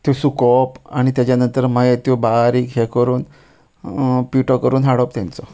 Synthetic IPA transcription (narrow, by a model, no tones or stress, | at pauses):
t̪jɔsukɔpaɽ̃it̪jat͡ɕjanənt̪əɾməjt̪jobaɾiːkɦekəɾuːn | piʈɔkəɾuːnɦaɽɔp̚t̪ãnt͡sɔ